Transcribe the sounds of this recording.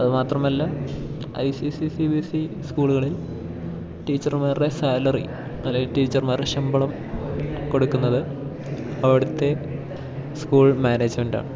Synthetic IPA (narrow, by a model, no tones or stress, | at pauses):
ɐðɨmaːt̪rɐmɐlːɐ | ɐ̰jsisisibisiskuːɭuɣɐɭil | ʈiːt͡ɕːɐrmaːre̞saːlɐrḭ | ɐlːeŋilʈiːt͡ɕːɐrmaːreɕɐmbɐɭɐm | ko̞ɽukːunːɐðɨ | ɐʋiɽut̪ːe̞ | skuːɭmaːneːd͡ʑmenda̰ːɳɨ